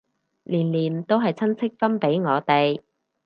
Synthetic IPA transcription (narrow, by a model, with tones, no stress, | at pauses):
liː˨˩nliː˨˩nt̪o˥wɦɐ˨jt͡sʰɐ˥nt͡sʰɪ˥k̚fɐ˥npe˨˥jŋɔː˨˧t̪e˨j